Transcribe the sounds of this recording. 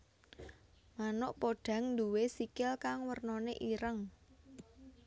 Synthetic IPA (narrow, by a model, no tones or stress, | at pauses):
manʊʔpoɖ̥ä̤ŋnd̪uwesikɪlkaŋwərnoneʔiɾəŋ